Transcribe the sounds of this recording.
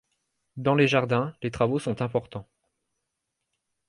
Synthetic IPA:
d̪ɑ̃leʒaʁd̪ɛ̃let̪χavosɔ̃t̪ɛ̃pɔʁt̪ɑ̃

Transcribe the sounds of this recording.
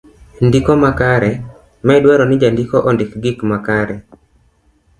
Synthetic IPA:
ndikɔmakaɾɛ | mɛdwɛɾɔnɪd͡ʒandikoʔɔndɪkɡɪkmakaɾɛ

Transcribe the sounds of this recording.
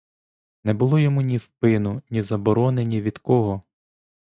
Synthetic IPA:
nɛbʊlˠɔjɔmunʲiwpɪnʊnʲizɐbɔɾɔnenʲiʋʲid̪kɔɦɔ

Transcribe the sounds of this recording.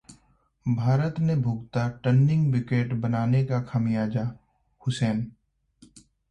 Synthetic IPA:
bʱaːɾət̪nebʱʊɡt̪aʈənːɪ̃ŋɡbɪkeːʈbənaːnekakʰəmɪjaːd͡ʒaː | hʊsɛːn

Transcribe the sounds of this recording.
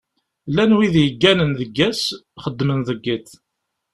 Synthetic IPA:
lænwiðjəɡːænənðəɡːæsχəd̪ːmənðəɡːiθ

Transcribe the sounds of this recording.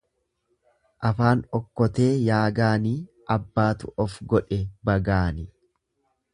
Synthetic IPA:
ʔɐfaːnɔkːɔt̪e̞ːjaːɡaːniː | ʔɐbːaːt̪ʊʔɔfɡɔᶑɛbɐɡaːnɪ

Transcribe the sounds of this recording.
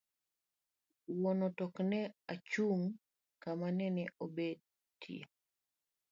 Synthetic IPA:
wɔnɔtɔknɛat͡ʃuŋ | kamanɛnɛʔobed̚ | tḭḛ

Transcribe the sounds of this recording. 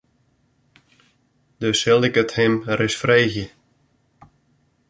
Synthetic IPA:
d̥øshɪlˠɪkəthɪmrɪsfreːxjə

